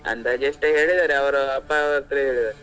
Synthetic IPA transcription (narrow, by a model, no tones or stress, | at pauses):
ɐ̰nd̪aːd͡ʒeʂʈeɦe̞ːɭid̪aːɾeɐʋɐɾuɐpːaʋɐɾt̪ɐɾeɦeːɭid̪aːɾe